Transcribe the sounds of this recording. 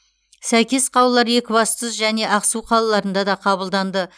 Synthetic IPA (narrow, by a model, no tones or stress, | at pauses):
sæjkʲe̞sqʰɑwəlˠːɑɾje̞kʲɪbɑst̪əzʒæne̞ʔɑqsuqʰɑlˠɑlˠɑɾənd̪ɑd̪ɑqʰɑβəlˠd̪ɑnd̪ə